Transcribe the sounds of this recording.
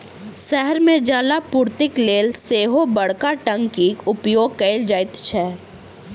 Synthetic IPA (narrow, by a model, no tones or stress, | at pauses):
ʃɛɦɛɾmẽd͡ʒaːlapuːɾt̪ɪkleːlseːɦobɐɽkaʈə̃ŋɡkikʊpjoːɡ̚kəɪld͡ʒaːɪt̪t͡ʃʰɛː